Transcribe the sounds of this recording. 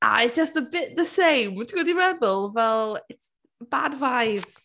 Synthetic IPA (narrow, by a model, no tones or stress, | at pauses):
ʔa̰ɪtsd̥ʒ̥ʌstəbɪʔðəsẽɪ̃mtɡədiɹɛðəlˠvɛlˠɪts | əb̥advaɪvz̥